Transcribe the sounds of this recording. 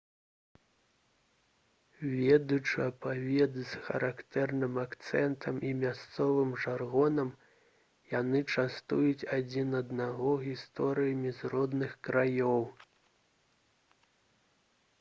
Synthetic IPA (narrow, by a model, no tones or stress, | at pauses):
vʲɛd̪ut͡ʂɨɐpavʲɛd̪ɨsxɐ̰ɾakt̪ɛrnɨmakt̪sɛnt̪ʰɐmimʲast̪sɔvɨmʐarɣɔnɐm | janɨt͡ʂast̪ujut͡sʲad͡zʲinɐd̪naɣɔɣʲist̪ɔɾɨjɐmʲizrɔd̪nɨxkɾajɔw